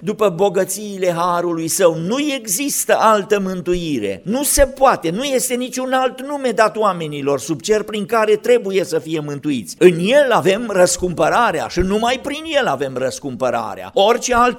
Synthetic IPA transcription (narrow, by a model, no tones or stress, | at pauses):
d̪upəbo̞ɡət̪siːle̞ɦaɾulujsəwnuje̞ɡzist̪əʔalt̪əmɨnt̪ujiɾe̞̰nuse̞poat̪e̞nuje̞st̪e̞nit͡ʃʲunalt̪nume̞d̪at̪wame̞nilo̞rsub̚t͡ʃe̞rpɾiŋkaɾe̞t̪ɾe̞buje̞səfije̞mɨnt̪uit̪sʲɨnje̞lave̞mrəskumpəɾaɾea̰ʃinumajpɾinje̞lave̞mrəskumpəɾa̰ɾea̰o̞rʲt͡ʃealt̪